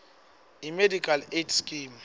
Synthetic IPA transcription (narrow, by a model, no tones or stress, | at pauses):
imedikʼaletʰskʼim